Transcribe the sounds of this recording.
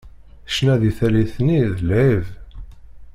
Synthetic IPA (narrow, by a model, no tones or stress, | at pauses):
əʃnæðiθæliθniðliv